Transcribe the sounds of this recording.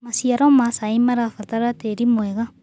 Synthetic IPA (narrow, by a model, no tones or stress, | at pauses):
masiaɾɔmasaimaɾafataɾateɾimwɛɣa